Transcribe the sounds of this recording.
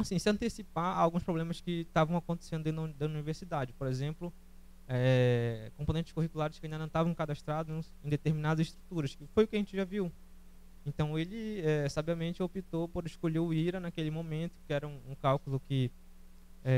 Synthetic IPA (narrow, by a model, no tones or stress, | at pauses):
asĩsɪɐ̃nt̪esipaa̰wɡũspɾoblẽmɐskɪt̪avɐ̃w̃akõnt̪e̥sẽd̪ʊdẽĩd̪d̪ɐuniveɾsid̪ad͡ʒɪpoɾezẽmplʊ | ɛkõpõnẽt͡ʃ̪ɪ̥ʃkuɦikulaɾɪʃkɪaĩd̪ɐnɐ̃t̪avɐ̃w̃kad̪aʃt̪ɾad̪ʊñẽj̃d̪et̪eɾminad̪ɐzɪʃt̪ɾut̪uɾɐskɪfojʊkɪɐʒẽnt͡ʃɪʒaviw | ẽt̪ɐ̃w̃elɪɛsabiɐmẽnt͡ʃɪopit̪opoɾɪskoʎeiɾɐnakelɪmõmẽnt̪ʊ̥kɪɛɾɐũũkawkulʊkɪ | ɛ